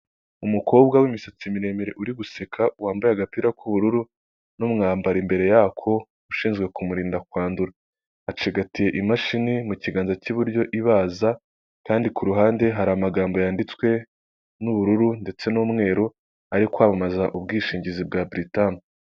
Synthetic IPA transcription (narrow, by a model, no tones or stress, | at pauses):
umukʰo̞ːbɡawimisat͡simiɾe̞meɾe̞ʔuɾiɡuse̞kʰawaːmbajaɡapiːɾakʰuβuɾuɾu | numŋaːmbaɾimbe̞ɾe̞jakʰo̞ | uʃiːnzɡwe̞kumuɾiːndakwaːnduɾaː | t͡ʃiɡatije̞ʔimaʃinimuciɡaːnzaciβuɾɟo̞ʔiβaːza | kaːndikuɾuɦaːnde̞ɦaɾamaɡaːmbo̞jaːndit͡swe̞ | nuβuɾuɾunde̞t͡se̞nuːmŋe̞ːɾu | aɾikwaːβamazaʔubɡiːʃiːɲɟizib̚ɡabɾitani